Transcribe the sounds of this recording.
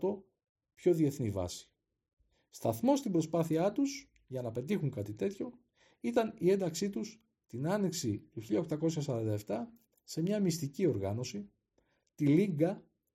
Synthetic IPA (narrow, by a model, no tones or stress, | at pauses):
t̪o̞ | pço̞ðie̞θnivɐ̰si̥ | st̪ɐ̰θmo̞st̪imbɾo̞spɐθiɐt̪us | ʝɐnɐpe̞t̪ixuŋkɐt̪it̪e̞t̪ço̞ | it̪ɐnie̞nd̪ɐksit̪us | t̪inɐniksit̪uçiʎɐoxt̪ɐko̞sçɐs̬ɐɾɐnd̪ɐeft̪ɐ | se̞mɲɐmist̪icio̞ɾɣɐno̞si | t̪iliŋɡɐ